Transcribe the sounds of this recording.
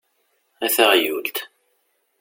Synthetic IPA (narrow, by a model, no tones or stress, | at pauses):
æθaʁjult̪